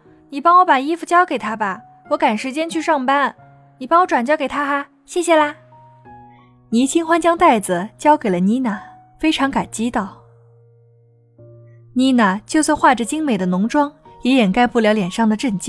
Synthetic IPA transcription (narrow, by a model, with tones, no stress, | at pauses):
ni˨˩pɑ˥ŋwɔ˧˥pa˨˩i˥fu˧t͡ɕjɑ˥ʊke˨˩ɪt̪ʰa˥bɐ˨ | wɔ˧˥ka˨˩nʂɻ̩˧˥t͡ɕjɛ˥nt͡ɕʰy˥˧ʂɑ˥˧ŋpa˥n | ni˨˩pɑ˥ŋwɔ˧˥ʈ͡ʂwa˨˩nt͡ɕjɑ˥ʊke˨˩ɪt̪ʰa˥xa˧ | ɕjɛ˥˩ɕjɛ˨˩la˥˧˩ | ni˧˥t͡ɕʰi˥ŋxwa˥nt͡ɕjɑ˥ŋt̪a˥˩ɪd͡zɹ̩˩t͡ɕjɑ˥ʊke˨˩ɪlə˦ni˧˥na˨˩ | fe˥ɪʈ͡ʂʰɑ˧˥ŋka˨˩nt͡ɕi˥t̪ɑ˥˩ʊ | ni˧˥na˨˩t͡ɕjo˥˧ʊswa˥˧nxwa˥˩ʈ͡ʂə˨˩t͡ɕi˥ŋme˨˩ɪd̪ə˦nʊ˧˥ŋʈ͡ʂwɑ˥ŋjɛ˧˥jɛ˨˩nka˥ɪpu˥˩ljɑ˧˥ʊljɛ˨˩nʂɑ˥˩ŋd̪ə˩ʈ͡ʂə˥˧˩nt͡ɕi˥